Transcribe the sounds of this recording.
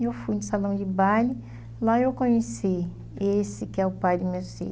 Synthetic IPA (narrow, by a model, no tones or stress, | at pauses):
ewfujnʊsalɐ̃w̃d͡ʒɪbalɪ | laewkõɲesi | esɪkɪɛʊpajd̪ɪmeɾsḛ